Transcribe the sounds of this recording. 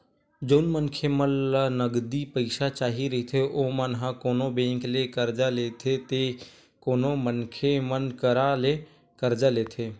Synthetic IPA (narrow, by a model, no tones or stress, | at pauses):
d͡ʒoːnmənkʰemənlənəɡd̪ipəɪʃat͡ʃaːɦiɾɐɦit̪ʰeʔoːmənɦãkoːnobẽːŋklekəɾd͡ʒaleːt̪ʰet̪e | koːnomənkʰemənkəɾale | kəɾd͡ʒaleːt̪ʰeː